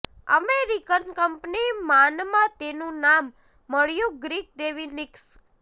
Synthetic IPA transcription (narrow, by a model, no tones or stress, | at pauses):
ə̰meɾikənkəmpnimanmãt̪enũnamː | əɭjũɡɾik̚d̪eʋinɪks